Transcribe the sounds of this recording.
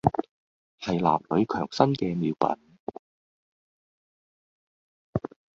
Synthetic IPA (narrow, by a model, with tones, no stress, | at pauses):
hɐ˨jla̰ː˨p̚lɵ˨˧˥ɥkʰœː˨˩ŋsɐ˥nkɛː˧miː˨˧wpɐ̰˨˥n